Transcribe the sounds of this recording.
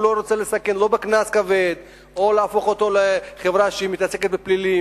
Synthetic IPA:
lo̞ɾot͡selesake̞nlo̞beknaskaved̪ | olaːfo̞χot̪o̞leχevʁaʃeimit̪ase̞ket̪̚beplili

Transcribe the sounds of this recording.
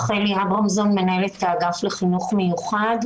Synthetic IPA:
χeliabʁomzonme̞nae̞let̪ːaːɡafleχinuχme̞juχad

